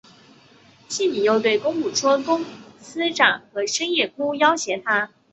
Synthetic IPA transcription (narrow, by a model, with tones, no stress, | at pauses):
ɕi˥˩ni˨˩jo˥˧ʊt̪we˥˩ɪkʊ˥ŋpu˨˩ʈ͡ʂʰwɔ˥kʊ˥ŋsɹ̩˥ʈ͡ʂa˨˩ŋxɤ˧˥ʂə˥ŋjɛ˥˩kʰu˥jɑ˥ʊɕjɛ˨˩t̪ʰa˥